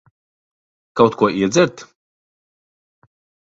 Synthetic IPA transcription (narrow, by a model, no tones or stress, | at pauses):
kawt̪kuɔʔiɛd̪zʲɛɾt̪